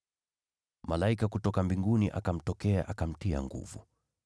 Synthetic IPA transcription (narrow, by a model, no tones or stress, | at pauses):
malaikakutɔkambiŋɡuniʔa̰kam̩tɔkɛaʔakam̩tia̰ŋɡṵvṵ